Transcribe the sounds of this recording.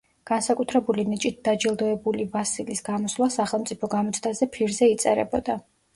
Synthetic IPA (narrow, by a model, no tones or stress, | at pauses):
ɡ̥ansakʼut̪ʰɾɛbulinit͡ʃʼit̪̚d̪̥ad͡ʒilˠd̪ɔɛbulivasilisɡamɔslwasaχɛlˠmt̪sʼipʰɔɡamɔt̪sʰd̪azɛpʰiɾzɛit̪sʼɛ̰ɾɛ̰bɔd̪a